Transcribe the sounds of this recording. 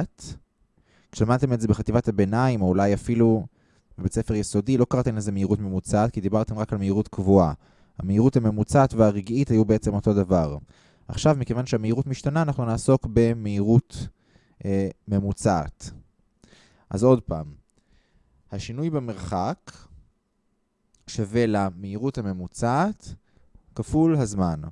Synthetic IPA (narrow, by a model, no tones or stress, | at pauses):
t | kʃelamad̪t̪e̞mezebeχativathabe̞naimoulajafilu | vebet͡sefeʁjeso̞dilo̞kaʁat̪e̞mlezemeiʁutme̞mut͡saːtkid̪ibaʁt̪e̞mʁakalmeiʁutkvua | ha̰meiʁuthame̞mut͡saːtveaʁiɡithajubeet͡se̞mo̞to̞davaʁ | a̰χʃavmike̞vanʃehameiʁutmiʃtanaːnaχnunaːso̞kbe̞meiʁut | me̞mut͡sa̰ːt | ʔazo̞dpa̰ːm | haʃinujbeme̞ʁχak | ʃave̞lameiʁuthame̞mut͡sat | kafulhazman